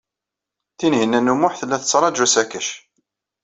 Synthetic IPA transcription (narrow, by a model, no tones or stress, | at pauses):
θinɦinːænːumʊħθəlːæθt͡sːɾˤɑd͡ʒʒusækəʃ